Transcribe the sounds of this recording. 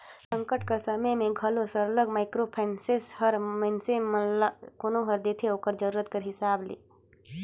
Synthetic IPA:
sə̃ŋkəʈkəɾsɐməjmẽɡʱɐlosəɾələɡmaːɪkɾopʰɛːnseshəɾməɪnsemkoːnõɦəɾd̪eːt̪ʰeoːkəɾd͡ʒəɾuːɾət̪kəɾɦɪsaːblḛː

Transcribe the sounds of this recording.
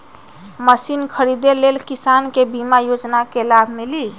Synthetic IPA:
məsinkʰəɾid̪elelkisankebimajod͡ʒnakelabʱmili

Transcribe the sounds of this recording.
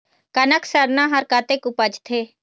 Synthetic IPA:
kənəksəɾnaɦəɾkaːt̪ekʊpəd͡ʒt̪ʰeː

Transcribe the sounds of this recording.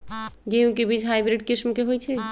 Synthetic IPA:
ɡeũkebid͡ʒʱɦajbɾiɖkɾismkeɦojt͡ʃʰɛ

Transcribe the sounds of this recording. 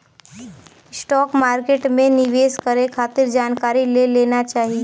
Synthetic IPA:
sʈɔːkmaːɾkeːʈmẽnɪʋeːskəɾekʰaːt̪ɪɾd͡ʒaːnkaːɾileleːnat͡ʃaːɦi

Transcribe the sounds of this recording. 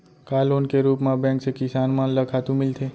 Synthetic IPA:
kaːlʊnkeɾuːpmãbɛ̃ːŋksekɪsaːnmãnləkʰaːt̪ũmɪlt̪ʰeː

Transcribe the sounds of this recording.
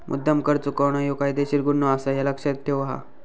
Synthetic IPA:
mʔṵd̪ːəmkəɾt͡sukəwɳ̃ajokajd̪eɕiɾɡunːɔasajaləkʂat̪ʰːeʋɦa̰

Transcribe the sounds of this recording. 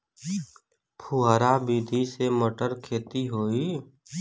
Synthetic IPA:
pʰuaːɾabiːd̪ʱisemoʈəɾkʰeːt̪iɦoːi

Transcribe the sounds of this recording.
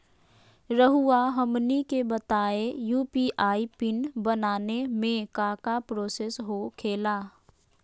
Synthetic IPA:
ɾəɦuaɦəmnikebət̪aːejuːpiʔaːipɪnbənaːnemẽkaːkapɾoːseːsɦokʰeːlaː

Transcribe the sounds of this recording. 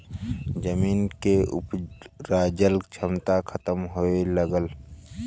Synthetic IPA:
d͡ʒəmiːnkeʊ̰pɾaːd͡ʒəlt͡ʃʰəmt̪akʰət̪əmɦoeləɡəl

